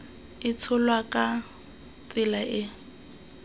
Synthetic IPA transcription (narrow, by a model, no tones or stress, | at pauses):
ɪt͡sʰʊlwakʼa | t͡sɪlaʔɪ